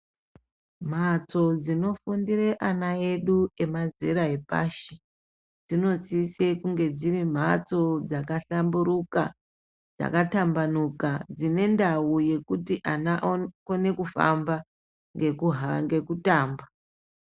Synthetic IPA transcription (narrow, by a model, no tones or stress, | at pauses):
m̤at͡so̞d͡zino̞fundireʔanae̞ɗue̞mazḛɾae̞pa̰ʃi | d͡zino̞t͡sise̞kuŋɡe̞d͡zirim̤at͡so̞d͡zakaɬambuɾuka | d͡za̰katambanukad͡zine̞ndawuje̞kutiʔanako̞ne̞kufa̰mba | ŋɡekuɦaŋɡe̞kutaːmba